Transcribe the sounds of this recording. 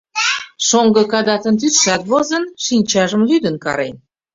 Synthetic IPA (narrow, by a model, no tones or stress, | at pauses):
ʃoŋɡɤ̆kɑd̪ɑt̪ə̆nt̪yt̪ʃɑt̪βozə̆nʃinʲt͡ɕɑʒə̆mlyd̪ə̆nkɑ̰ɾḛn